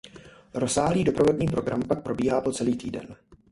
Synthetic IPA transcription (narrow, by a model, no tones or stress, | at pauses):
ɾo̞saːɦliːdo̞pɾovo̞dɲiːpɾo̞ɡɾampak̚pɾo̞biːɦaːpo̞t͡sɛliːt̪iːdɛ̰n